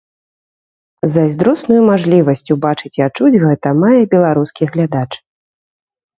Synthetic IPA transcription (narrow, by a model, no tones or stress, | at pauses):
zɐzʲd̪ɾɔsnujumaʐlʲivɐsʲt͡sʲubat͡ʂɨt͡sʲiat͡ʂud͡zʲɣɛt̪ɐmajɛbʲɛlˠaɾuskʲiɣlʲad̪at͡ʂ